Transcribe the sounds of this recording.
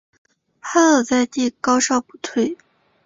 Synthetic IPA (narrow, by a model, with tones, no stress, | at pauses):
xa˥ɤ˨˩t͡sa˥˧ɪt̪i˥˩kɑ˥ʊʂɑ˥˩ʊpu̥˥t̪ʰwe˥˩ɪ